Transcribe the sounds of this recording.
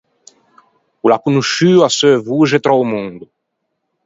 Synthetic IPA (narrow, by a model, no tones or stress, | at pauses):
ulakunuʃyasøvuʒet̪ɾawmũŋd̪u